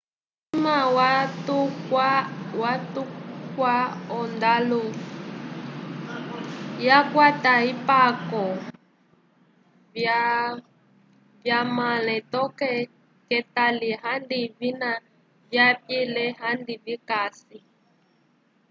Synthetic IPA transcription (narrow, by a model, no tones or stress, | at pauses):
imawatuawatukwaɔndalu | jakwataipakɔ | vjamalɛ̃t̪ɔkɛ | kɛtaliɦandivina | vjapjilɛɦandivikasi